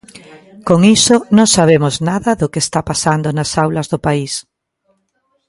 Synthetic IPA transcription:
koŋisonõŋsaβ̞emʊznaðɐðʊkest̪apasand̪onasawlɐzðʊpais

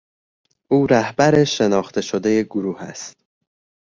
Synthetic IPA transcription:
ʔuːɾæhbæɾe̞ʃe̞nɒːxt̪ʰe̞ʃod̪e̞je̞ɡoɾuːhæ̰st̪̚

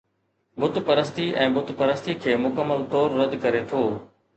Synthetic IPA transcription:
bʊt̪pəɾəst̪iʔɛ̃ːbʊt̪pəɾəst̪ikʰeːmʊkəmːəlt̪ɔːɾːəd̪kəɾet̪ʰoː

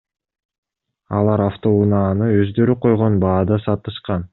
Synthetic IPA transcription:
ɑlˠɑɾaft̪o̞unɑːnɯø̞zd̪ø̞ɾyqʰo̞jʁo̞nbɑːd̪ɑsɑt̪ɯʃqɑn

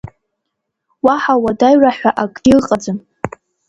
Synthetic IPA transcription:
waħawadajraħʷᶣaʔakʼʲilqʼad͡zɨn

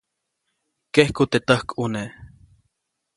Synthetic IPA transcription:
kehkut̪et̪əhkune

